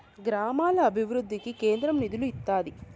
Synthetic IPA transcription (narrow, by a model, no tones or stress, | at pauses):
ɡɾaːmaːlɐːbʱiʋɾud̪ʱːikikeːnd̪ɾɐmnid̪uluit̪ːaːd̪i